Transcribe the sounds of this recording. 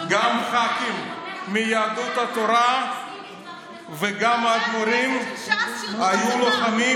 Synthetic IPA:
ɡamχakimːijaːd̪ut̪hat̪o̞ɾa | veɡamadmoɾim | ajuloχami

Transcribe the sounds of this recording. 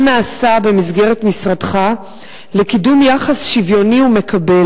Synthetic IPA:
naːsabe̞mizɡe̞ʁetmisʁadχa | lekidumjaχasʃivjo̞niume̞kʰabe

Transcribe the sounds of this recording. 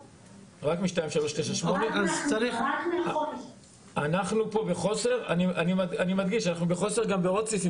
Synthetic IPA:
ʁakmiʃtajmefʃaʁleʃleʃaʃmoneazt͡saʁiχ | anaχnupo̞beχo̞se̞ʁaniʔanimadanimad̪ɡiʃanaχnubeχo̞se̞ʁɡambeod̚t͡ssisi

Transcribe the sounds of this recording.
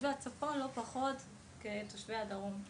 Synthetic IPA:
veat͡safonlo̞paχo̞t | ketoʃveadaʁum

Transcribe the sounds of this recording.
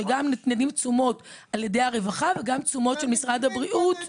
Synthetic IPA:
eɡamnnedimt͡sumo̞talje̞dejaʁe̞vaχaveɡamt͡sumo̞tʃelmisʁadhabʁiʔut

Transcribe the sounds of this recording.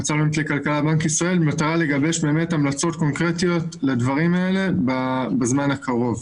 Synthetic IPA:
at͡salbemt̪lekalkalabaŋkisʁae̞lbemat̪aʁale̞ɡabeʃbe̞ːme̞tamlat͡so̞tko̞nkʁetijo̞tled̪vaʁimae̞le̞babazmanakaʁo̞v

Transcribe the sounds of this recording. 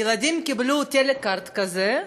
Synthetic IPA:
ɪlˠɐd̪ʲimkʲɪblʲut̪ʲelʲɪkaɾt̪kɐzɛ

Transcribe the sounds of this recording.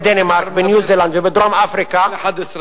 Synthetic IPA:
d̪ɛnemaɾkbɪnjuːziːland̪wɪbɪd̪ɾamʔafɾika

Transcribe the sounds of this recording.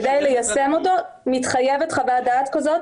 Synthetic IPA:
dajlejasemo̞t̪o̞ | mit̪χajevetχaveadaat̪kazo̞t

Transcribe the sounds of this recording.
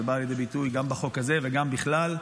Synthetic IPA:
ebaːljed̪ejbit̪ujɡambaχo̞khazeveɡambiχlal

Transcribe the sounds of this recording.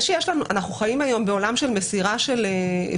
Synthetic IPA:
ʃejeʃlanuʔa̰naχnuχajimajo̞mbe̞o̞lamʃe̞lmesiʁaʃe̞le

